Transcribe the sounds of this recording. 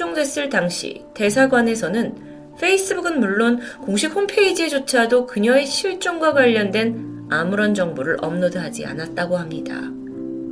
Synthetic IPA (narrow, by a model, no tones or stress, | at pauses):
oŋdwe̞s͈ɯɭtaŋɕʰḭte̞sʰaɡwane̞sʰʌnɯn | ɸʰe̞is͈ʰɯbuɡɯnmuɭːonkoŋɕʰik̚hompʰe̞id͡ʑied͡ʑot͡ɕʰadokɯɲʌe̞ɕʰiɭt͡ɕ͈oŋɡwaɡwaʎːʌndwe̞n | amɯɾʌnd͡ʑʌŋboɾɯɾʔʌ̰mnodɯɦad͡ʑḭa̰nat̚t͈aɡohamɲida̰